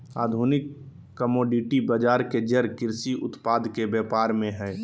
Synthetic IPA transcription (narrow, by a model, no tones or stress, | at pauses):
a̰ːd̪ʱuːnɪkː | əmɔːɖɪʈibəd͡ʒaːɾked͡ʒəɾkɪɾsiʔʊt̪paːd̪kebjɛːpaːɾmẽɦɛː